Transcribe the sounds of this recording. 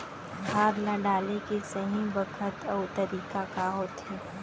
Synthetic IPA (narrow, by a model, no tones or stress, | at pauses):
baːd̪lãɖaːlekesɐɦĩbɐkʰət̪ɔːt̪ɐɾiːkakaɦoːt̪ɦẽː